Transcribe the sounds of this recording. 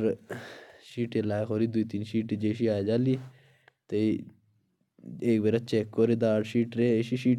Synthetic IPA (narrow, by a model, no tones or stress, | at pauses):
ɾ | ʃiːʈelaːjxoːɾid̪uit̪iːnʃiːʈd͡ʒeːʃ̬iaːjd͡ʒaːli | t̪ei | eːkbeɾɐt͡ʃeːkːoɾid̪aːʈʃiːʈɾeʃiʃiː